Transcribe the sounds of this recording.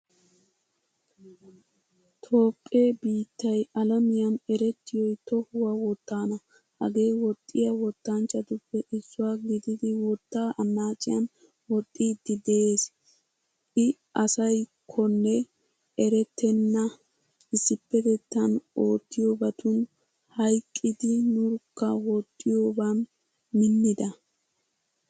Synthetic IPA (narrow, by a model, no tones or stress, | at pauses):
t̪ʰo̞ːpʼːeːbiːt̪ːɐjɐlɐmɪjɐnɛɾɛt̪ːɪjɔjt̪ɔhʊwɐwɔt̪ːaːnɐ | hɐɡe̞ːwɔt̪ʼːɪjɐwɔt̪ːɐnt͡ʃːɐt̪ʊpːɛʔɪzːʊwaːɡɪd̪ɪd̪ɪwɔt̪ːaːʔɐnːaːt͡ʃʼːɪjɐn | wɔt̪ʼːiːd̪ːɪd̪ɛeːs | ɪ | ʔɐsɐjkʰɔnːɛ | ʔɛɾɛt̪ːɛnːɐ | ɪsːɪpːɛt̪ɛt̪ːɐno̞ːt̪ːɪjo̞ːbɐt̪ʰʊn | hɐjkʼːɪd̪ɪnʊɾkːɐwɔt̪ʼːɪjo̞ːbɐn | mɪnːɪd̪ɐ